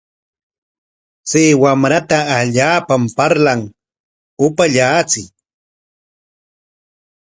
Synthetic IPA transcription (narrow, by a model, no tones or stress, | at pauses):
t͡siːwamɾat̪aːʎaːpampaɾlaŋ | ʊpaʎaːt͡sɪ